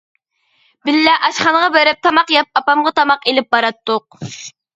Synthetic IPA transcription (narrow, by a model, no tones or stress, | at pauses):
bɪlːɛʔɑʃχɑnəʁɑbeɾɪp̚t̪ʰɑmɑqjɑp̚ɑpɑmʁɑt̪ʰɑmɑqelɪp̚bɑɾɑt̪ːʊq̚